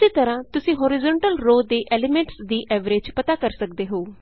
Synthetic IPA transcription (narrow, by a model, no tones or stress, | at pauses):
ɪseːt̪əɾãːt̪ʊsĩːɦoːɾɪzɔ̃ːɳʈəlɾoːd̪eːʔɛːleːmẽːɳʈsd̪iːʔɛːʋɾeːd͡ʒpət̪aːkəɾsəkd̪eːɦoː